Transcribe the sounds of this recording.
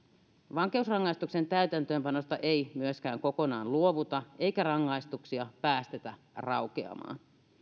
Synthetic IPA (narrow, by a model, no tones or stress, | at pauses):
ʋɑŋkeusrɑŋːɑist̪ukse̞nt̪æyt̪ænt̪ø̞ːmpɑno̞st̪ɑʔe̞jmyøsk̟æːŋko̞ko̞nɑːnluoʋut̪ɑʔe̞jkærɑŋːɑijst̪uksiɑpæːst̪e̞t̪æ | rɑwkeɑ̰mɑ̰ːn